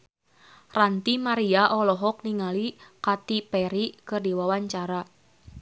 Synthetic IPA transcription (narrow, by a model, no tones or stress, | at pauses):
rant̪imaɾiaʔɔlɔɦɔk̚niŋalikat̪ipɛɾikɨrdiwawaɲt͡ʃaɾa